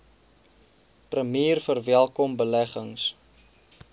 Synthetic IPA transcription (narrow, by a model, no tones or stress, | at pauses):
prəmiːrfərvɛlˠkɔmbəlæχəŋs